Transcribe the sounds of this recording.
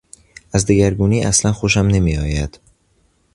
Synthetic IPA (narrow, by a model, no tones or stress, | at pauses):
æzd̪iɡæɾɡuːniːʔæslænxoʃ̬æmne̞miːɒːjæd̪̥